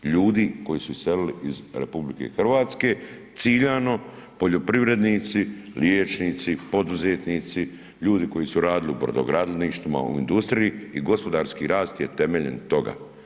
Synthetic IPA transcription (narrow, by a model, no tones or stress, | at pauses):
ʎuːd̪iko̞jisuise̞liliizɾe̞̰publike̞̰xr̩ʋaːt̪ske̞ | t̪siʎano̞ | po̞ʎo̞pɾiʋɾe̞d̪niːt̪siljeːt͡ʃniːt̪sipo̞d̪uzet̪niːt̪si | ʎuːd̪iko̞jisuɾaːd̪iliṵbɾod̪o̰ɡɾaːd̪leniːʃt̪ʋima̰ṵḭnd̪ust̪ɾiijiiɡo̞spo̞d̪aːɾskiɾaːst̪jet̪e̞meʎḛnt̪o̞ɡa̰ː